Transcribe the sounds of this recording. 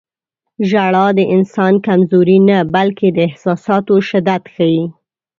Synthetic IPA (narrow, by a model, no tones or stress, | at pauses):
ʒaɽɑd̪əʔɪnsɑnkamzoɾinabalked̪əɪhsɑsɑt̪oʃɪd̪at̪xaji